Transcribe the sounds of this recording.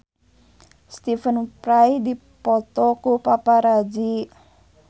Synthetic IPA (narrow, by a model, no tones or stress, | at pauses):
st̪ifənpɾajdi | pɔt̪ɔkupapaɾad͡ʒi